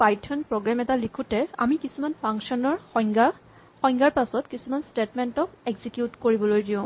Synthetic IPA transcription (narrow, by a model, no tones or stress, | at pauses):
pajtʰɔnpɹɔɡɹamɛtalikʰutɛa̰mikisumanpʰaŋksɔnɔɹɡa | xɔj̃ŋɡaɹpasɔtkisumanstetmɛntɔkeɡzikjutkoɹibɔlojdiʊ̃